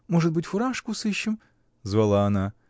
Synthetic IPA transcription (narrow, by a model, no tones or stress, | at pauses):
mɔʐɨt̪bɨtʲfʊɾaʂkʊsɪʃːɪm | zʋɐlˠaɐna